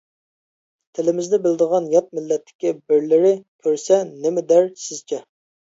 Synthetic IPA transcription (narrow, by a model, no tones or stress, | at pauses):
t̪ʰɪlɪmɪzd̪ɛbɪld̪əʁɑnjɑt̪̚mɪlːɛt̪ʰːɪ̥kʲibɪɾlɪɾɪt̪ʰøɾsɛnɪmɪd̪æɾsɪz̥t͡ʃʰɛ